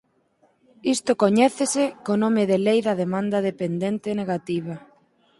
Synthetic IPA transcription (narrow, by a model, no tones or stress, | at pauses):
ist̪ʊkoɲɛθesɪkonõmɪðelejðɐðemãnd̪ɐðepend̪ent̪ɪneɣat̪iβɐ